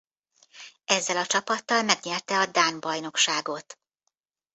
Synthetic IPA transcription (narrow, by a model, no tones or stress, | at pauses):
ɛzːɛlɒt͡ʃɒpɒt̪ːɒlmɛɡɲɛrt̪ɛɒd̪aːnbɒjno̞kʃaːɡo̞t̪